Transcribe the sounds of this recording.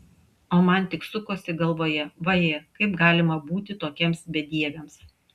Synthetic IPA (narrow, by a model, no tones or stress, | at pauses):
oːmɐnt̪ʲɪksʊkoːsʲɪɡɐlˠʋoːjɛʋɐjekɐɪpɡɑːlʲɪmɐbuːt̪ʲɪt̪oːkʲɛmsbʲɛd̪ʲiɛʋʲɛms